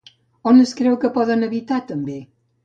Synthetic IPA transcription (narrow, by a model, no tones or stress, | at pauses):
ɔnəskɾewkəpɔðanəβit̪at̪əmbe